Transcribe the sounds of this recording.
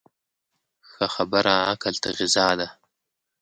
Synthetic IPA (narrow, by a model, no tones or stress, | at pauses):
xaxabaɾaakalt̪aɣɪzɑːd̪a